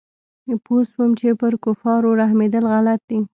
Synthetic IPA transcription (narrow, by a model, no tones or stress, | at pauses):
poswəmt͡ʃepəɾkofɑɾoɾahmed̪əlɣalat̪̚d̪i